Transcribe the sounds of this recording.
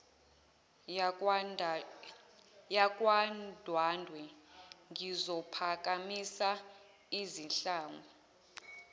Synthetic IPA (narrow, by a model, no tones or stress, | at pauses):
jak̬ʼwand̥ʱwandʱwɛŋizɔpʰak̬amisa | izinɬaːŋɔ